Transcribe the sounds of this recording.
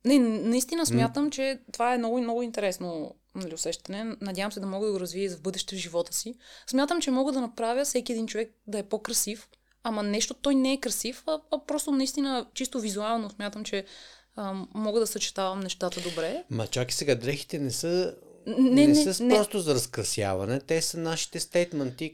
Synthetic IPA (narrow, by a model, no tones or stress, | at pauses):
nɛnnɐist̪inəsmʲjat̪əmt͡ʃɛt̪ovaɛmnɔɡʊnɔɡʊint̪ɛɾɛsno | nɐliʊsɛʃt̪ɐnɛnɐd̪ʲjavəmsɛd̪ɐmɔɡəd̪ɐɡoɾɐzviəzvbɤd̪ɛʃt̪ɛvʒivɔt̪ə̥sismʲjat̪əmt͡ʃɛmɔɡəd̪ɐnɐpɾavʲjəfsɛkʲiɛd̪int͡ʃovɛk̚d̪ɐɛpokɾɐsif | amɐnɛʃt̪ot̪ɔjnɛːkɾɐsifɐɐpɾɔst̪onɐist̪inət͡ʃist̪ovizualˠnosmjat̪əmt͡ʃɛ | mɔɡəd̪ɐsɐt͡ʃɛ̥t̪avɐmnɛʃt̪at̪əd̪obɾɛmɐ̰t͡ʃaki̥sɛɡad̪ɾɛxi̥t̪ɛnɛsə | nɛɛnɛənɾɔst̪ozɐɾɐskɾɐsja̰vɐ̰nɛt̪ɛsɐnaʃi̥t̪ɛst̪ɛjt̪mɛnt̪i